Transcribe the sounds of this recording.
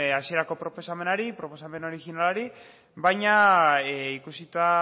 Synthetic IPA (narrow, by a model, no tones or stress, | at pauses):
asie̞ɾako̞pɾo̞po̞same̞naɾipɾo̞po̞same̞no̞ɾixinalaɾi | βajɲa | ikusit̪a